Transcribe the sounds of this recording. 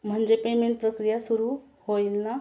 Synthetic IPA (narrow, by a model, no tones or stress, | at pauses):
mʱənd͡ʒepemẽɳʈ̚pɾəkɾijasuɾu | hojlna